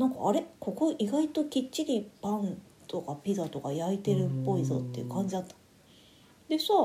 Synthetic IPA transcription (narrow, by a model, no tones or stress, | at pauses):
nãŋka̰ːɾe̞kʰo̞ko̞ʔiɡait̪o̞kʲit͡ɕːiɾʲipãn | t̪o̞kapʲizat̪o̞kajait̪e̞ɾɯ̟pːo̞izo̰t̪ːeiɯ̟kãɲ̟d͡ʑid̪at̪ːḁ | d̪e̞sa